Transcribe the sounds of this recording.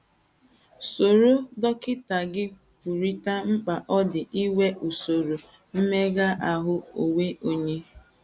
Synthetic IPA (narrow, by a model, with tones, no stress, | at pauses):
so˨ɾo˦dɔ˦kɪ˦ta˨ɡɪ˦ | ku˨ɾi˦ta˦ŋ͡m̩˦k͡pa˨ʔɔ˦dɪ˨ʔi˦we˦ʔu˨so˨ɾo˨ | m̩˦me˦ɡa˦ʔa˨ɦʊ˦o˨we˦ʔo˦ɲe˦